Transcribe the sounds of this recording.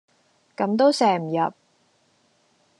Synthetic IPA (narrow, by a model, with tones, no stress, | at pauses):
kɐ˨˧˥mt̪o˥wsɛː˨˩m̩˨˩jɐ˨p̚